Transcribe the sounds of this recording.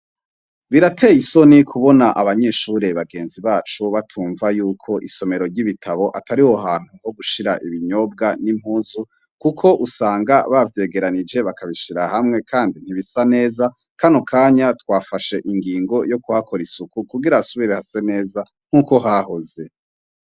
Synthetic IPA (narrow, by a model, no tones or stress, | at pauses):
βiɾatʰe̞ːjiso̞nikʰuβo̞naʔaβaɲe̞ːʃuɾeβaɡe̞ːnziβaːt͡ʃuβatʰuːɱvajuːkʰo̞ʔiso̞me̞ɾo̞ɾɟiβitʰaβo̞ʔataɾihoɦaːn̥huho̞ɡuʃiɾaʔiβiɲo̞b̚ɡanim̥huːzu | kukʰo̞ʔusaːŋɡaβavje̞ːɡe̞ɾanid͡ʒe̞βakʰaβiʃiɾahamŋe̞kʰaːndin̥iβisane̞ːza | kanokʰaːɲatwaːfaʃe̞ʔiŋɡiːŋɡo̞jo̞kuhakʰo̞ɾisukukuɡiɾasuβiɾehase̞ne̞ːza | ŋ̥uːko̞ɦaho̞ze̞